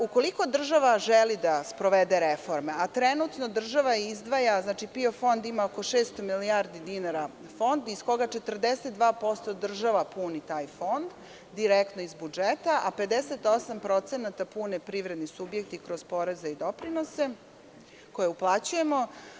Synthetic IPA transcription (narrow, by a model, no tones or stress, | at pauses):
uko̞liko̞d̪r̩ʒaʋaʒelid̪aspɾo̞ʋed̪eɾefo̞ɾme̞at̪ɾenut̪no̞d̪r̩ʒaʋaizd̪ʋajaznaːt͡ʃipio̞fo̞nd̪imaoko̞ʃeːst̪omiliaɾd̪id̪inaɾa | fo̞nd̪isko̞ɡat͡ʃet̪r̩d̪eset̪̚d̪ʋaːpo̞st̪o̞d̪r̩ʒaʋapunit̪aːjfo̞nd̪ː | iɾekt̪noizbud͡ʒet̪aʔape̞d̪eset̪o̞sampɾo̞t̪senat̪apunepɾiʋɾed̪nisubjek̚t̪ikɾo̞z̥po̞ɾe̞zeid̪opɾino̞se̞ | ko̞jeuplˠat͡ɕuje̞mo